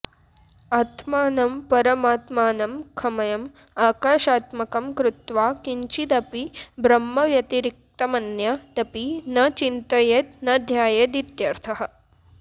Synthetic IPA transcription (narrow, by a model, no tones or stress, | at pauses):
aːt̪ʰmaːnɐmpɐɾɐmaːt̪maːnɐmkʰɐmɐjɐm | aːkaːʃaːt̪mɐkɐmkɾut̪ʋaːkiɲt͡ʃid̪ɐpibɾɐmːɐʋjɐt̪iɾik̚t̪ɐmɐnjɐd̪ɐpinɐt͡ʃint̪ɐjet̪nɐd̪ʱjaːjɐd̪it̪jɐɾt̪ʰɐɦɐ̆